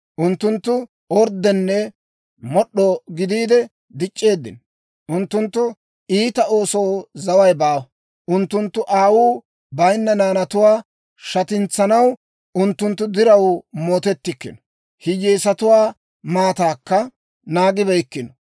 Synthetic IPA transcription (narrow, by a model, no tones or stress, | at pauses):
ʔʊnt̪ːʊnt̪ːʊ | ɔɾd̪ɛnːɛ | mɔɗoːɡɪd̪iːd̪ɛ | d̪ɪt͡ʃʼːe̞ːd̪ːɪ̰n | ʔʊnt̪ːʊnt̪ːʊ | iːt̪ɐo̞ːsowzɐwɐjbaːwɐ | ʔʊnt̪ːʊnt̪ːʊʔaːwuː | bɐjnːɐnaːnɐt̪ʊwaː | ʃɐt̪ɪnt͡sːɐnɐw | ʊnt̪ːʊnt̪ːʊd̪ɪɾɐwmo̞ːt̪ɛt̪ːɪkːɪ̰nɔ̥ | hɪjeːsɐt̪ʊwaː | maːt̪aːkːɐ | naːɡɪbɛkːɪnɔ̥